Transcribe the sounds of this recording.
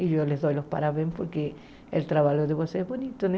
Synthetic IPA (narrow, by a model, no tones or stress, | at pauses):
iʝolezðojlospa̰ɾaβempoɾke | elt̪ɾaβaʎoðeβoseezbonit̪one